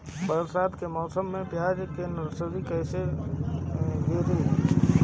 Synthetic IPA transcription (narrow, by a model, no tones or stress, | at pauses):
bəɾsaːd̪kemɔːsəmːẽpjaːd͡ʒkenɾsəʋikəɪse | ɦeɾəi